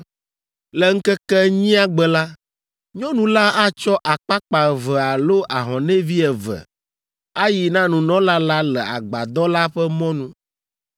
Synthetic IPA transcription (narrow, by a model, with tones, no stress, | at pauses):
lɛ˨ŋ̩˦kɛ˦kɛ˦ɲĩ˦a˦ɡ͡bɛ˨la˦ | ɲɔ̃˦nũ˦la˦a˦t͡ʃɔ˦ʔa˨k͡pa˦k͡pa˨vɛ˨a˨lo˦ʔa˨ɦɔ̃˨nɛ̃˦vi˦ɛ˨vɛ̰˨ | a˦ji˨nã˦nũ˨nɔ̃˦la˦la˦lɛ˨a̰˨ɡ͡ba̰˨d̪ɔ˦la˦ɸɛ˦mɔ̃˦nũ˦